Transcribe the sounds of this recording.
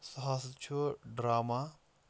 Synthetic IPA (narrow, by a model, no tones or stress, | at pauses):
sɐɦaːsɐt̪t͡ʃʰoɖɾaːma